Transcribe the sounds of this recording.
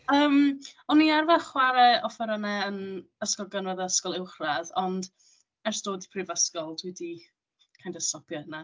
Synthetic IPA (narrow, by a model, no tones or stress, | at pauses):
əːmɔnːiarvɛχwaɾɛɔfɛɾənɛənəskɔlˠɡənvəðəəskɔlˠɪwχraðɔnd | ɛrsd̥oːdipʰriːvəskɔlˠdʰwidi | kʰajndəstɔpjɔəna